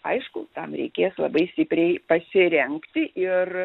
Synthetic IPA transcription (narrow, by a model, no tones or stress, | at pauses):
ɐɪʃkʊt̪ɐmɾʲɛ̰ɪkʲeːslˠɐ̰bɐɪsʲt̪ʲɪpʲɾʲɛɪpɐsʲɪɾʲɛŋkt̪ʲɪʔɪr